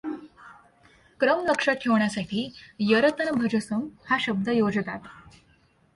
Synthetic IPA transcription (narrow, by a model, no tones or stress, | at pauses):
kɾəmləkʂat̪̚kʰeʋɳjasaʈʰiːjəɾət̪ənəbʱəd͡ʑəsəmhaɕəb̚d̪ʱəjod͡zt̪at̪